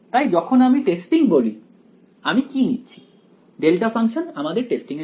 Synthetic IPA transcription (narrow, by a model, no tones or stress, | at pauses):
t̪ajd͡ʑɔkʰonamiʈesʈiŋboli | amikinitːt͡ɕʰi̥ | ɖelʈafaŋʃonamad̪eɾʈesʈiŋe